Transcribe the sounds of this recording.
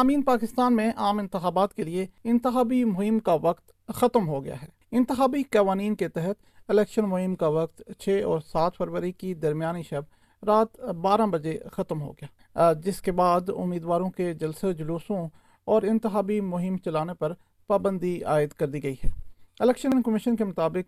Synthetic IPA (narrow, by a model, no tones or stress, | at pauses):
aːmiːnpaːkɪst̪aːnmẽʔaːmɪ̃nt̪ɪxaːbaːt̪kelieɪ̃nt̪ɪxaːbimʊɦɪmkaʋɐkt̪ | xɐt̪əmɦoɡɐja̰ːɦɛː | ɪ̃nt̪ɪxaːbikaːʋaːniːnket̪ɛɦət̪ | ɪlɛːkʃənmʊɦɪmkaʋɐk̚t̪t͡ʃʰeːɔːɾsaːt̪ʰfəɾʋəɾikid̪ɐɾmjaːniʃɛb̚ | ɾaːt̪baːɾãbɐd͡ʒexɐt̪mɦo̰ːɡɪjaː | d͡ʒɪskebaːd̪ʊ̰mːiːd̪ʋaːɾõked͡ʒɐlsed͡ʒʊluːsõ | ɔːɾɪ̃nt̪ɪxaːbimʊɦɪmt͡ʃɐlaːnepɐɾ | paːbə̃nd̪ia̰ːɪd̪kɐɾd̪iɡɐiɦɛːɪlɛːkʃənkəmɪʃənkemʊt̪aːbɪk̚